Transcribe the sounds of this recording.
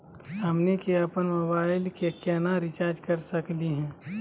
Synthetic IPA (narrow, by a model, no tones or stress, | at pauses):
hɐmnekeɐpənmobaːɪlkekjaːnaɾɪt͡ʃaːɾd͡ʒkɐɾsɐkliɦɛ̃ː